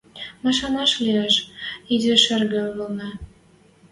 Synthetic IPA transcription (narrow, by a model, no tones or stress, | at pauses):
mɑʃɑmɑʃlieʃid̪ʲĕʃɘrɣĕɣɤ̆lnɑ